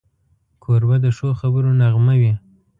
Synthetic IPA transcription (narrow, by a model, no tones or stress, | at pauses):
kʰoɾbad̪əʃoxabəɾonaɣmawi